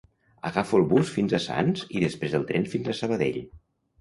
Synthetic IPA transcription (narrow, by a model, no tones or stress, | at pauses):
əɣafuəlˠβusfinzəsa̰nziðəspɾezəlˠt̪ɾɛnfinzəsəβəðḛʎ